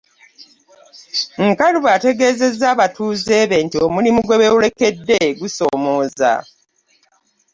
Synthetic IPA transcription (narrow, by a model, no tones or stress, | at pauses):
ŋ̩kaluβate̞ɡe̞ːze̞zːaːβatuːze̞ːβentio̞mulimuɡweβewule̞ke̞dːe̞ɡuso̞̰ːmo̞ːza̰